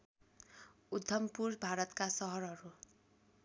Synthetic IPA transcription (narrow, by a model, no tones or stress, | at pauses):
ud̪ʱːʌmpurbʱaɾʌt̪kasʌɦʌɾɦʌɾu